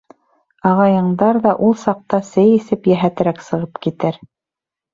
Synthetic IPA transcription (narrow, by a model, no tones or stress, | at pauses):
ɑʁɑjɤ̆ɴd̪ɑɾðɑʔulˠsɑq̚t̪ɑsɘjisɘpjæɦæt̪ɘ̆ɾæksɤ̆ʁɤpkit̪ɘɾ